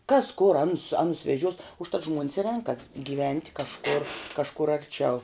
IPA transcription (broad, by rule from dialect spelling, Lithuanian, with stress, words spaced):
kɐs kʊr ˈɑːnʊs ˈɑːnʊs ʋʲɛˈʒʲuɔs ʊʃˈtɐt ˈʒmuɔnʲɪs ɪ ˈrʲɛŋkɐs ɡʲiːˈʋʲɛnʲtʲ kɐʃˈkʊr kɐʃˈkʊr ɐrʲˈt͡ʃʲɛʊ